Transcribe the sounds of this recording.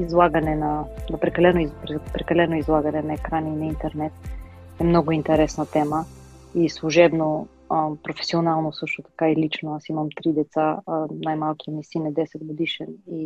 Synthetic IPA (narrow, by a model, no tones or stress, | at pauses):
izlˠaɡənɛnɐnɐpɾɛkɐlɛnoipɾɛpɾɛkɐlɛnʊizlˠaɡənɛnɐɛkɾaninɐint̪ɛɾnɛt̪ | ɛmnɔɡʊint̪ɛɾɛsnət̪ɛməislˠuʒɛbno | əpɾofɛ̥sionalˠnosɤʃt̪ot̪ɐ̥kailit͡ʃnoasiməmt̪ɾid̪ɛt̪sanajmalˠkiɛmisinɛd̪ɛsɛd̪ɡod̪iʃɛni